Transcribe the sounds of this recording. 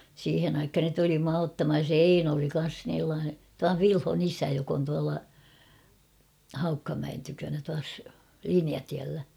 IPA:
siːhen ɑikhɑn ne tuli muɑ otːɑmhɑj jɑ se eino oli kɑn̞s tuɑʋ ʋilhon isæ jok on tuɑlɑ hɑukːɑmæen tykønæ tuɑs liniɑtiælːæ

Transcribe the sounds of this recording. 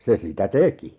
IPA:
se sitæ teki

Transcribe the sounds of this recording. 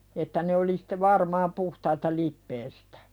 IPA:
etːæ ne oli sĭ̥te ʋɑrmɑːm puhtɑitɑ lipːeːstæ̥

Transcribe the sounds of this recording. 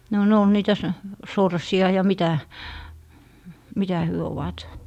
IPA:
no ne ol niːtæ so sorsiɑ jɑ mitæ mitæ hyø oʋɑt

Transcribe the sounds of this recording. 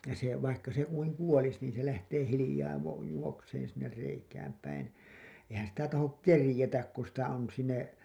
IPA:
se ʋɑikːɑ se kuiŋ kuolis niːn se læhteː hilĭjɑː ʋɑ juokseːn̞ sinːer reikæːm pæin ehæn sitæ tɑhok kerĭjetæk ku sitæ on sinːe

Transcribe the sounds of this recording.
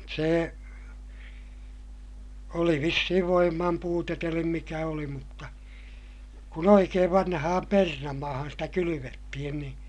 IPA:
se oli ʋisːihiʋ ʋoimːɑm puːtet elim mikæ oli mutːɑ kun oikeːʋ ʋɑnhɑhɑm pernɑmɑːhɑn stæ kylyʋetːihin niːn̞

